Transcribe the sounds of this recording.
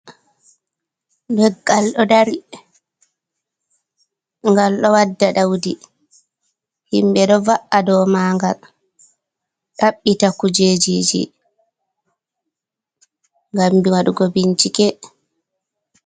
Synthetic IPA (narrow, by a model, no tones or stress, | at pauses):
dɛɡːalɗɔdaɾi | ŋɡalɗɔwadːaɗawdi | himɓɛɗɔvaʔadɔmaːŋɡal | ɗaɓːitakud͡ʒed͡ʒid͡ʒḭ | ŋɡambiwaɗuɡobiɲt͡ʃikɛ